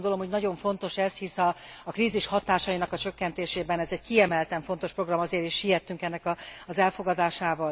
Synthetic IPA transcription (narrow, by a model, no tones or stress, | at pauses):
ond̪o̞lo̞mhoɟnɒɟo̞ɱfo̞nt̪o̞ʃɛzhisɒːkriːziʃhɒt̪aːʃɒjinɒkɒt͡ʃø̞kːɛnt̪eːʃeːbɛnɛzɛɟ̚kiɛmɛlt̪ɛɱfo̞nt̪o̞ʃpro̞ɡrɒmɒzeːɾeːʃːijɛt̪ːyŋkɛnːɛkɒɒzɛlfo̞ɡɒd̪aːʃaːvɒl